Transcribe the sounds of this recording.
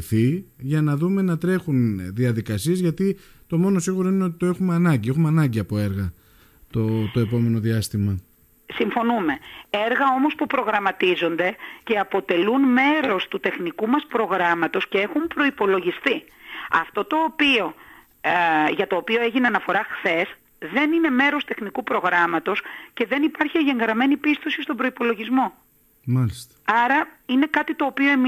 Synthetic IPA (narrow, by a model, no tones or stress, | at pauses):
θiʝɐnɐðume̞nɐt̪ɾe̞xunðiɐðikɐsiezʝɐt̪i | t̪o̞mo̞no̞siɣuɾoineo̞t̪i̥t̪oe̞xumeɐnɐɲɟie̞xumeɐnɐɲɟiɐpo̞e̞ɾɣɐ | t̪ot̪o̞e̞po̞me̞no̞ðiɐst̪imɐ | siɱfo̞numee̞ɾɣɐo̞mo̞spupɾo̞ɣɾɐmɐt̪izo̞nd̪e̞ce̞ɐpo̞t̪e̞lunme̞ɾo̞st̪ut̪e̞xnikumɐspɾo̞ɣɾɐmɐt̪o̞sce̞e̞xumpɾo̞ipo̞lo̞ʝist̪i | ɐft̪o̞t̪o̞ːpio̞ | ʝɐt̪o̞ːpio̞e̞ʝineɐnɐfo̞ɾɐxθe̞s | ðe̞nine̞me̞ɾo̞st̪e̞xnikupɾo̞ɣɾɐmɐt̪o̞sce̞ðe̞nipɐɾçieʝe̞ŋɡɾɐme̞nipist̪o̞sist̪ombɾo̞ipo̞lo̞ʝizmo̞ | mɐlist̪ɐɐɾɐine̞kɐt̪it̪o̞ːpio̞e̞m